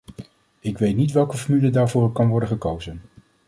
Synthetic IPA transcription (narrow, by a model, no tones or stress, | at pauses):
ɪkʋejtnitʋɛlˠkəfɔmylədaːɹvʊːrɛkɑnʋɔɹdəχəkowzən